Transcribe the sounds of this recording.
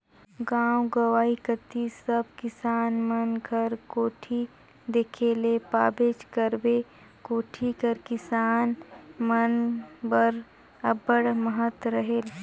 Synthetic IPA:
ɡãːwɡəʋaːikət̪isəb̚kɪsaːnmənkʰəɾkoːʈʰi | d̪eːkʰeːlepaːbeːt͡ʃkəɾbe | koːʈʰikəɾkɪsaːnmənbəɾ | ɐbəɽməɦət̪ɾəɦeːl

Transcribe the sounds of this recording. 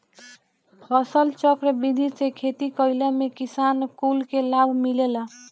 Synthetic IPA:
pʰʌsəlt͡ʃəkɾəbid̪ʱisekʰet̪ikəɪləmekisankulkelabʱmilela

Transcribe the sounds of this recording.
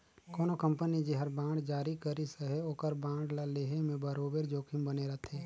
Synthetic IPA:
kɔːnokɐ̃mpənid͡ʒiɦɐɾbãːɖd͡ʒaːɾikəɾisəɦeoːkəɾbãːɖlaleːɦemẽbɐɾoːbeɾd͡ʒoːkʰĩmbəneɾɐt̪ʰeː

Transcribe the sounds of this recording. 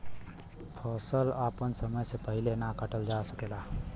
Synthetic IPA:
pʰɔːsəlaːpənsəməjsepəɦɪlenakəʈəld͡ʒasəkeːlaː

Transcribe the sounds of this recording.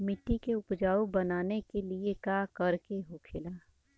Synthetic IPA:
mɪʈːikeʊpd͡ʒaːubɐnaːnekeliekaːkɐɾkeɦokʰelaː

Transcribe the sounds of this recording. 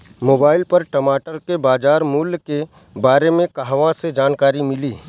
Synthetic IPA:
moːbaːɪlpɐɾʈɐmaːʈəɾkebaːd͡ʒaːɾmuːlke | baːɾemẽkɐɦʋãsed͡ʒaːnkaːɾimɪliː

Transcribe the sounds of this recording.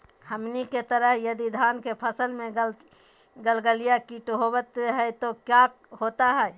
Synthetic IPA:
həmniket̪əɾəɦjəd̪id̪ʱaːnkepʰəsəlmẽ | ɡəlɡəlijakiʈɦobət̪ɦɛɛt̪okja | hot̪aɦɛɛ

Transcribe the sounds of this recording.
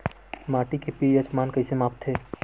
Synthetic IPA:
maːʈikepiːət͡ʃmaːnkəisemaːpt̪ʰːeː

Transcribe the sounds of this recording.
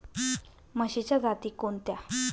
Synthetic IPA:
məɕit͡ɕjad͡zat̪iːkont̪ja

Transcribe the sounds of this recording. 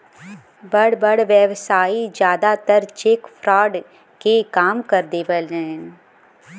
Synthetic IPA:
bəɽbəɽʋjəʋsaːid͡ʒjaːd̪at̪əɾt͡ʃeːkpʰɾaːɖ | kekaːmkəɾd̪eːʋəlnɛːn

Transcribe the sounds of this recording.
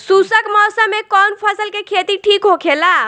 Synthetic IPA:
susəkmɔsamekɔnpʰəsəlkekʰet̪iʈʰikɦokʰela

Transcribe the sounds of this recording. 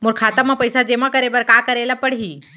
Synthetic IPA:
moɾkʰaːt̪amãpəjsad͡ʒeːmãkəɾeːbəɾkaːkəɾeːlapəɽɦiː

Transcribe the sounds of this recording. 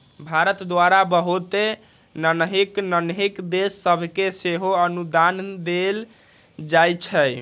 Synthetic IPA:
bʱaɾət̪d̪waɾabəɦut̪e | nənəɦiknənɦikd̪esːəbʱkeseɦoənud̪and̪el | d͡ʒajt͡ʃʰɛ

